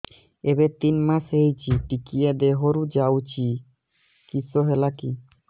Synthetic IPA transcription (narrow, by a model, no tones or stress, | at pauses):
ebet̪inmasejt͡ɕʰiʈikied̪eɦoɾud͡ʑawt͡ɕʰi | kisoɦelaki